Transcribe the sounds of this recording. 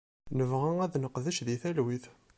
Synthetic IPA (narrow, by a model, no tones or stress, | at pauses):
nəvʁæŋæðnəqðəʃðiθælwiθ